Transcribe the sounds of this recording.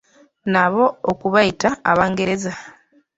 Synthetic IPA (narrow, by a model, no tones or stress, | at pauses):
naβo̞okuβaitaːβaːŋɡe̞ɾe̞za